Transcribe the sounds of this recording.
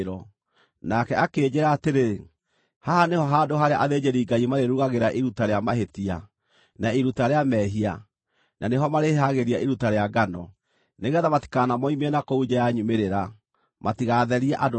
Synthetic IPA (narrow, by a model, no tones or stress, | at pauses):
ɾɔ | nakɛakeːd͡ʑeɾaːteɾe | haɦanehɔɦadoɦaɾea̰ʔaðed͡ʑeɾiːɡaimaɾeɾuɣaɣeɾaʔiɾutaɾeamaɦetia | naiɾutaɾeamɛɦia | naneɦɔmaɾeɦaɣeɾiaʔiɾutaɾeaɡanɔ | neɣɛːðamati̥kanamɔimɛnakoud͡ʒajaɲumeɾeɾa | matiɣaðɛɾiaʔado